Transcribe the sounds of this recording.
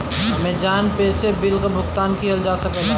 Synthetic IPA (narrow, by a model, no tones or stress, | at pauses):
ɦɐmẽd͡ʒaːnpeːsebɪlkabʱʊkt̪aːnkiɦəld͡ʒaːsəkɛ